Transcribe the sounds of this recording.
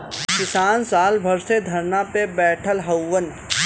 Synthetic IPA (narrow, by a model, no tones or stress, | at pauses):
kɪsaːnsaːlbʱɐɾsed̪ʱɐɾnapebɛːʈʰəlɦɐwːən